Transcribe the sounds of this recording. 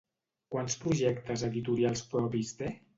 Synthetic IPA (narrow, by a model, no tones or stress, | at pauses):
kwanspɾuʒɛkt̪əzəðit̪uɾialˠspɾɔpizd̪e